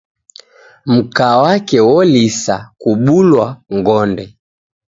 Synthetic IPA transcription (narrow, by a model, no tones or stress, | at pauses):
m̩kaːwakɛwɔlisakuɓulwaŋɡɔndɛ